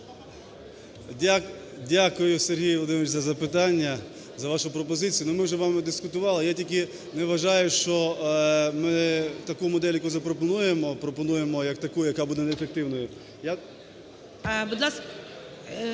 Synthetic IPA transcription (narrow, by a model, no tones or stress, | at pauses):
dʲakʊjʊserɦijˠɔd̪ɪnʋɪt͡ʃzɐzɐpɪt̪ɑnʲːɐ | zɐʋɑʃʊpɾɔpɔzɪt͡sʲijʊnʊmɪwʒɛʋɑmɪd̪ɪskʊt̪ʊʋɑlˠɪjatʲik̬ɪ | nɛʋɐʒɑjʊʃt͡ʃɔ | mɪt̪ɐkumɔd̪ɛlʲjɐkuzɐpɾɔpɔnujemɔpɾɔpɔnuje̞mɔjɐkt̪ɐkujʊjɐkabud̪ɛnɛfek̚t̪ɪwnɔjʊ | ja | bid̪lˠɑsk